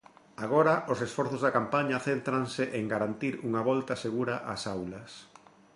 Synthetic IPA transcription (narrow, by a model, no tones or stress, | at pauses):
aɣ̞ɔɾɐʔosesfɔɾθʊzðakampaɲɐθent̪ɾaŋsɪʔeŋɡaɾant̪iɾuŋɐβɔlt̪ɐseɣuɾɐʔasawlɐs